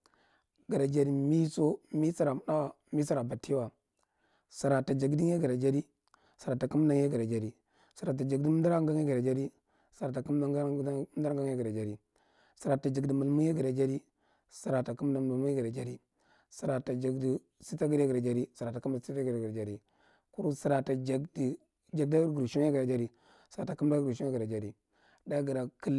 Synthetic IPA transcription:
ɡa˨ɾa˨d͡ʒa˨ɾi˨mi˦so˦mi˦sa˦ɾa˨m˦na˦wa˨ | mi˦sa˦ɾa˨ba˨ti˦wa˨ | sa˨ɾa˨ta˨d͡ʒa˨ɡdi˦ŋ˦e˦ɡa˨ɾa˨d͡ʒa˦ɾi˦ | sa˨ɾa˨ta˨ku˦m˦na˦ŋje˦ɡa˨ɾa˨d͡ʒa˨ɾi˨ | sa˨ɾa˨t̬a˨d͡ʒa˨ɡdi˦m˦da˦ɾa˦ŋɡa˦ŋe˦ɡa˨ɾa˨d͡ʒa˦ɾi˦ | sa˨ɾa˨ta˨ku˦m˦na˦dɾɡa˦ŋ˦je˦ɡa˨ɾa˨d͡ʒa˨ɾi˦ | si˨ɾa˨ta˨d͡ʒi˨ɡdi˨mu˨lmu˦je˦ɡə˨ɾa˨d͡ʒa˦ɾi˦ | sa˨ɾa˨ta˨ku˦mna˨ma˨mu˦e˦ɡa˨ɾa˨d͡ʒa˦ɾi˦ | sa˨ɾa˨ta˨d͡ʒa˨ɡdi˨ | si˦ta˦ɡɾa˦ɡa˨ɾa˨d͡ʒa˦ɾi˦sa˨ɾa˨ta˨ku˦mda˨si˦tɡɾa˨ɾa˨d͡ʒa˦ɾi˦ | ku˦ɾu˦si˨ɾa˨ta˨d͡ʒa˨ɡdi˨ | d͡ʒa˨ɡ̚da˦ɡɾu˨ʃo˦ja˦ɡɾa˨d͡ʒa˦ɾi˦ | sa˨ɾa˨ta˨km˦da˦ɡu˨ʃo˦ɡə˨ɾa˨d͡ʒa˦ɾi˦ | da˦ɡə˨ɾa˨ki˦l

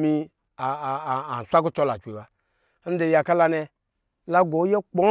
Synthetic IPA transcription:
mi˧ | aː˨n̩˨sʷa˦ku˦t͡ʃɔ˦la̰˨t͡ʃʷe˨wa˨˦ | n̩˦de˧˨ja˨ka˦la˧nɛ˧ | la˦ɡo˨˦je˦k͡po˦

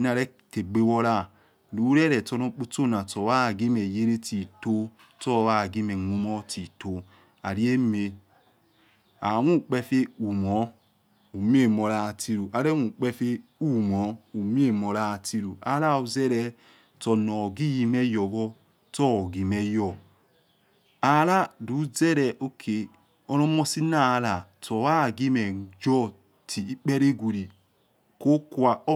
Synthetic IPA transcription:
na˧ɾɛ˦ | te˨ɡ͡be˨˦wɔ˧ɾa˦˨ | lu˨˦ɾɛ˦ɾɛ˨tɔ˧no˨˧k͡pu˦to˦˨na˨tɔ˨wa˦˨ɡi˦mɛ˨je˦ɾe˦ti˨to˦ | tɔ˦˨wa˦˨ɡi˦mɛ˨ŋu˧mɔ˦ti˨to˨ | a˨ɾi˦e˦me˧ | a˨wu˦˨k͡pɛ˧fe˦u˨mɔ˨˦ | u˨m˦e˦˨mo˨ɾa˧˨ti˧ɾu˨ʔa˨ɾɛ˦u˨k͡pɛ˧fe˧u˦˨mɔ˨˦u˨m˦e˦˨mo˨ɾa˦˨ti˧ɾu˨a˦la˦u˨ze˦ɾɛ˦ | tɔ˨nɔ˨ɡi˦ji˦mɛ˦jɔ˨ɡɔ˦ | tɔ˦˨ɡi˨mɛ˦jɔ˨ | a˨ɾa˦du˨˦ze˦ɾɛ˨ʔo˦kʰe˨ | o˦ɾo˦mo˦si˦na˦˨la˨to˨wa˦˨ɡi˦mɛ˨d͡ʒɔ˦ | ti˨i˦k͡pe˦ɾe˦ɡʷu˨ɾi˨ | ko˦ku˦a˨˦

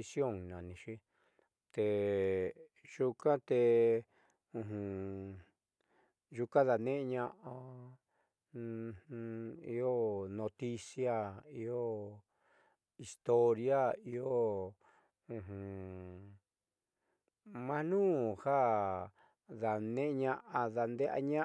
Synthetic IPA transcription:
sjo˦˨ŋnã˨nĩ˧ʃi˦ | t̪e˨ | ʒu˧kã˦t̪e˧ | ũ˧ɦũ˧ | ʒu˧kã˦ða˧nẽ˦ʔɲã˧ʔa˧ | i˧o˦nõ˧t̪i˦sja˦i˧o˦ | i˧st̪o˧ɾja˦i˧o˦ | ũ˧ɦũ˨ | mã˧nũː˦˨ha˦˨ | ða˨nẽ˦ʔɲã˧ʔa˧ða˧nd̪e˦ʔa̰˧ɲã˦

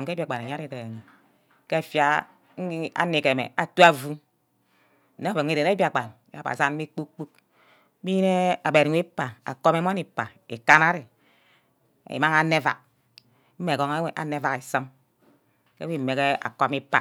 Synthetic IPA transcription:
m˨kbi˦a˨ɡ͡ba˨e˨ɲa˦ɾi˨de˨ɾe˨ŋe˨ | ke˦˨fja˦ | a̰˦ne˨ke˨mḛ˨a˨tu˦a˦vu˦ | ne˦e˨ŋ˦i˦˨de˨ɾe˦bi˦a˨ɡ͡ba˨n˨a̰˨ba̰˨za˦n˦me˦k͡pu˦kk͡pu˦k̚ | bi˦ne˦a˨be˨ɾi˨˦e˦pːa˨a̰˨ko˦me˦mo˦ni˨pːa˨ | ḛ˨ka˦na˦ɾi˨ | ḛ˨ma˦ŋa˦nːe˦va̰˨k̚ | m̩˦e˨ɡo˨˦ŋ˦ʔa̰˨˦ne˦va˨ki˨sə˦m | ke˦i˦˨me˨ke˦a̰˨kɔ˦mi˦pːa̰˨

